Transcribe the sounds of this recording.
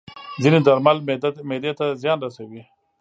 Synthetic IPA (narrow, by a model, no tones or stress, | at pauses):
zined̪aɾmalmemed̪et̪azjɑːnɾasawi